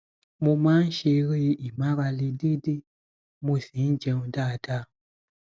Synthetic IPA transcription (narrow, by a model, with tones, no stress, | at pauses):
mũ˧mã˦n̩˦ʃe˧ɾi˦ʔi˨mã˦βa˧li˧di˦di˦ | mũ˧˨sĩ˨˦n̩˦d͡ʒɛ̃˧ũ˧daː˦˨da˦˨